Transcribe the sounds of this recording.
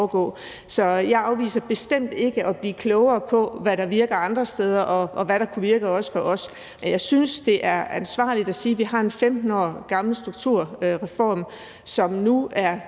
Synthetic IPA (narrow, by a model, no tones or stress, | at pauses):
ɡ̥ɔ̰̽ː | sɒ̽jɑ̈ɪɑ̈ʊʋḭːsɐb̥e̝sd̥em̰d̥e̝ɡ̥əʔɒ̽b̥liːkʰlɔʊɐːpʰɒ̽ʋæɾɑ̈ʋiɐɡ̥ɐɑ̈nd̥ʁɐsd̥eð̞ˠɐʔɒ̽ʔɒ̽ʋæɾɑ̈kʰuʋiɐɡ̥əɒ̽sə̥fɒ̽ʔɒ̽s | menjɑ̈ɪsynsd̥e̝ʔæɐænsʋɑ̰̈ːlid̥æsiːʋiɦɑ̈e̝nfemd̥n̩ɒ̰ɡ̥ɑ̈ml̩sd̥ʁuɡ̥̚t͡sʰuɐ̰ʁɛfɒ̰ːm | sɒ̽mnuæɐ